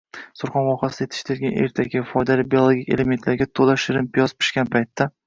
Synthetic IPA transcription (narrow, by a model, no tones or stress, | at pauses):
sʊɾχɒnvɒχasɪd̪ajt̪ʰɪ̥ʃt̪ʰɪɾɡʲane̞̰ɾt̪ʰaɡʲɪfɒjd̪alɪbiolˠoɡʲikʲe̞leme̞nt̪ʰlaɾɡʲat̪ʰolaʃɪɾɪmpʰijɒspʰɪ̥ʃkʲanpʰajt̪ʰːa